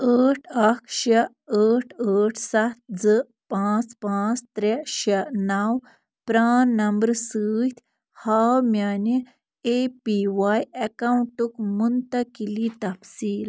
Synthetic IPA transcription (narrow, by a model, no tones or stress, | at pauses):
əːʈʰɐkʰɕe | əʈʰəʈʰsat̪̚d͡zə | pãt͡spãt͡st̪ɾeɕenaw | pɾanːɐmbəɾsəːjt̪ʰ | hawmjani | epiʋajekawuɳʈukmunt̪ɐkilit̪ɐfsiːl